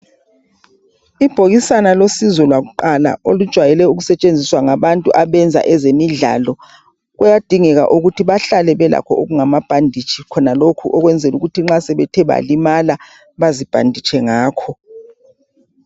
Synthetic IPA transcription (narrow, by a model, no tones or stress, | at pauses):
ib̥ʱoɣisanalosizɔlwaɣuǃala̰olud̥ʒ̥ʱwajɛlɛuɣusɛt͡ʃʼend͡zʱiswaŋaβantʼuʔaβɛnd͡zʱa̰ʔɛzemiɮa̰lɔ | ɣujad̥ʱiŋɛɣa̰ʔuɣutʰiβaɬalɛβɛla̰kʰɔʔoɣuŋamab̥ʱandʱit͡ʃʼʰikʰɔnalokʰuʔɔɣwɛnd͡zʱɛluɣutʰiŋ͡ǁasɛβɛtʰɛβa̰limala | βazib̥ʱa̰ndʱit͡ʃʰʼɛŋaːkʰɔ